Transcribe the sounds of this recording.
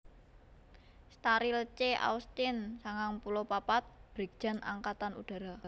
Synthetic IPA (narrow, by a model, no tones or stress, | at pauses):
st̪aɾilt͡ʃeʔa̰ust̪ɪnsaŋaŋpulopapat̪̚b̥ɾik̚d͡ʒ̥a̤na̰ŋkat̪anṵɖ̥a̤ɾa